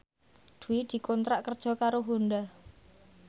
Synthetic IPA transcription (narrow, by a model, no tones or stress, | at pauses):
d̪̥ṳwid̪̥i̤kɔnt̪ɾaʔkərd̥ʒ̥ɔ̤kaɾoɦund̪a